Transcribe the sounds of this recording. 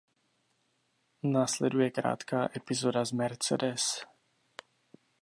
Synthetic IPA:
naːslɛdujɛkɾa̰ːt̪kaːʔɛpɪzo̞dazmɛɾt͡sɛ̰dɛs

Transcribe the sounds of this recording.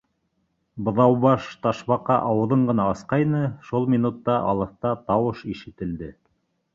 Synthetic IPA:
bɤ̆ðɑwβɑʃt̪ɑʃβɑqɑʔɑwɤ̆ðɤɴɢɤ̆nɑɤsqɑjnɤʃulˠmʲinut̪ːɑʔɑ̰lˠɤ̆θt̪ɑt̪ɑwɤʃiʃɘ̆t̪ɘ̆ld̪ɘ

